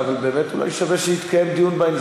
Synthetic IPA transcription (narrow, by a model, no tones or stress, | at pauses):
avalbeːmɛt̪ula̰jʃavɛʃɛit̪kʰajemd̪ijunbajnz